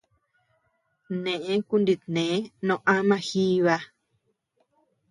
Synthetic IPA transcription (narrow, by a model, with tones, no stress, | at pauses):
nẽ˨ʔẽ˦ku˦ndi˧t̪nẽ˨˦nõ˧ʔa˦mã˧xi˦βa˧